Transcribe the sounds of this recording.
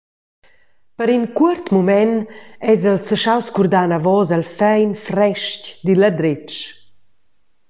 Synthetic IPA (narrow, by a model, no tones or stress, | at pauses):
pəɾinkuəɾt̪mumɛnɛzɛlsəʃawskuɾd̪anavɔzalfɛjnfɾɛʃcd̪ilad̪ɾet͡ʃ